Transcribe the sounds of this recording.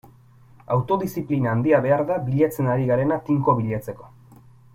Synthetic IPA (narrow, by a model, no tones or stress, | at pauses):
awt̪o̞ðisiplinaːnd̪iaβe̞aɾðaβiʎat͡se̞naɾiɣaɾe̞nat̪iŋko̞βiʎat͡se̞ko̞̥